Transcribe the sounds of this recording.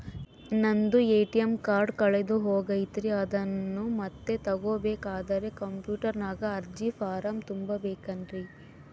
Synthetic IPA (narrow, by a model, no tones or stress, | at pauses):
nɐnd̪ueːʈijɐmkaːɾɖkɐɭed̪uɦoːɡɐjt̪ɾiɐd̪ɐnːumɐt̪ːe̞t̪ɐɡoːbeːkaːd̪ɐɾe̞kɐmpjuːʈɐɾnaːɡɐːɾd͡ʒifʰaːɾɐmt̪umbɐbeːkɐndɾi